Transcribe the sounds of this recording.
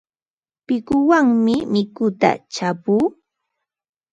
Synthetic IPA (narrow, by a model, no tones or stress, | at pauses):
pɪkʊwaŋmɪmɪkʊt̪a̰t͡ʃapuː